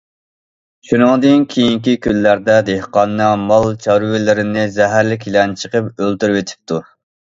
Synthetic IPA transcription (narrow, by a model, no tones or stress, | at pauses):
ʃunɨŋd̪ɨnkʲʰejiŋkʲikʲʰylːæɾd̪ɛd̪ehqɑnːɨmɑlˠt͡ʃʰɑɾwɪlɪɾɪnɪzɛɦæɾlɪkʲʰilɛnt͡ʃʰəqəpølt̪yɾwet̪ʰɪ̥p̚t̪ʰu